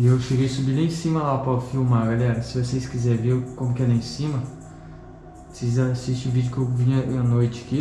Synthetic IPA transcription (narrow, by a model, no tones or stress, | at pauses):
ɪewʃeɡejsubilɐẽsĩmɐlapɐfiwmaɾɡalɛɾɐsɪvoseskizɛɾveɾkõmʊkʲɛd̪ɐẽsĩmɐ | osezaasist͡ʃɪʊvid͡ʒʊkewvĩɲɐ̃ɐnojt͡ʃɪɐki